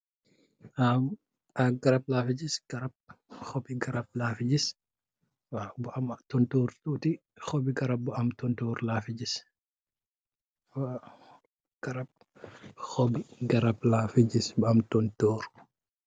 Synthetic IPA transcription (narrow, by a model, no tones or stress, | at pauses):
ʔam | aɡɐɾɐb̚laːfid͡ʒisɡ̥ɐɾɐb̚xɔbiɡɐɾɐb̚laːfid͡ʒis | wabʊamtɔntoːɾtuːtixɔbiɡɐɾɐb̚buɐmtɔntoːɾlaːfid͡ʒis | wa | ɡ̥ɐɾɐb̚ | xɔbiɡɐɾɐblaːfid͡ʒisbɐmtɔntɔːɾ